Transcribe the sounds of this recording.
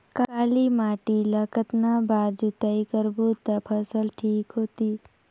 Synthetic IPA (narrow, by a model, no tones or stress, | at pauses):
kkaːlimaːʈiləkət̪nabaːɾd͡ʒut̪əikəɾbut̪əpʰəsəlʈʰiːkɦoːt̪iː